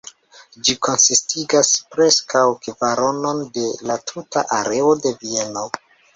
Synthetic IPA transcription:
d͡ʒiko̞nsistiɡaspɾe̞skawkevaɾo̞no̞nde̞latʰuta̰ʔaɾe̞ode̞vie̞no̞

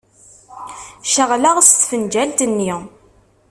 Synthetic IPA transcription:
ʃəʁlaʁst̪fənd͡ʒælt̪ənːi

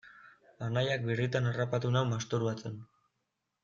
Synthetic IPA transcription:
anajak̚birit̪anarapat̪unawmast̪uɾuat͡sen

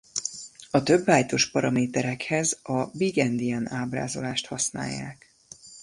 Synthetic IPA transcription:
ɒt̪ø̞bːaːjt̪o̞ʃpɒɾɒmeːt̪ɛɾɛkhɛzɒbiɡɛnd̪iɛnaːbra̰ːzo̞laːʃt̪hɒsna̰ːjːa̰ːk

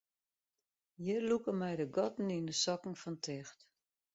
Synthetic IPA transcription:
jɪrlukəmɛjdəɡɔtn̩indəsɔkŋ̩fɔntʰɪxt

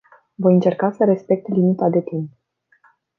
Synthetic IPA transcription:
vo̞jɨnt͡ʃe̞rkasəɾe̞spe̞k̚t̪limit̪ad̪e̞t̪imp

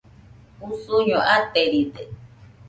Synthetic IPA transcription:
usuɲõʔat̪eɾid̪e

